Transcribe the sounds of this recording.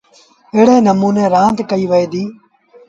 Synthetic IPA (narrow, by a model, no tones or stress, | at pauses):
eːɽẽːnəmuːnẽːɾãːnt̪kəiːʋəeːd̪iː